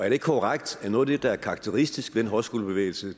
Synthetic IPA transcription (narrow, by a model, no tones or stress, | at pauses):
æɐɾ̥eɪɡ̥kʰoʁaɡ̥d̥æɐnɔ̽ːð̩ˠd̥ed̥ɑ̈æɐkʰɑ̈ɑ̈ɡ̥̚t͡sʰeʁisd̥isɡ̥ʋed̥enɦɒ̽sɡ̥o̝ːlb̥e̝ʋḛɪl̩sə